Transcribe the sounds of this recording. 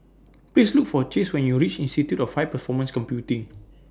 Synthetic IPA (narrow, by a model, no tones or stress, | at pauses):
plislukfɔət͡ʃeswɛ̃njuɹit͡ʃĩnstitjutɔfhaɪpəfɔmə̃nskɔ̃mpjutĩŋ